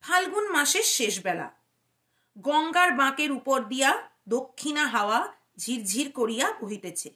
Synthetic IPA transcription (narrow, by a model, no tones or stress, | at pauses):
pʰalɡunmaʃeɾʃeʃbɛla̰ | ɡɔŋɡaɾbãkeɾupoɾd̪ijad̪okʰːinaɦaoa | d͡ʑʱiɾd͡ʑʱiɾkoɾijakoɦit̪et͡ɕʰe